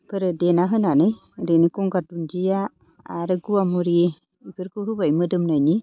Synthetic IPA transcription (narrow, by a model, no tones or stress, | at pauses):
pɯɾɯdenaɦɯnanaj | denikɔŋɡadund͡ʒija̰ː | ɾɯɡuamuɾi | ibʰɯɾkoɦubajmɯdɯmnajni